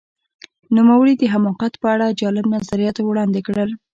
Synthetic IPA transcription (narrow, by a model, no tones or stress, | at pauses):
numawəɽid̪əɦamɑqat̪pəaɽad͡ʒɑlɪbnazaɾijɑt̪wɽɑnd̪ɪkɽəl